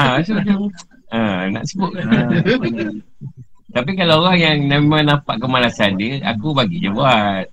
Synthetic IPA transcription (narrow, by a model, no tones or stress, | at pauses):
asut͡ʃo | əna̰ʔsəbʊt | t̪ap̬ikalaoɣaŋjaŋnemãŋnampaʔkəmalasandəa̰kubaɡḭʔd͡ʒəbuat̪̚